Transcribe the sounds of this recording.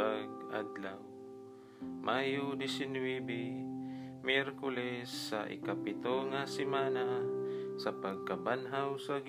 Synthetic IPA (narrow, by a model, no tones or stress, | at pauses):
aɡ̚ad̪law | mʔajʊd̪ɪsɪnwɛbɛ | mjɛɾkʊlɛsːa̰ʔɪ̰kapɪt̪oŋasɪmaːnasapaɡ̚kabanɦawsaɡ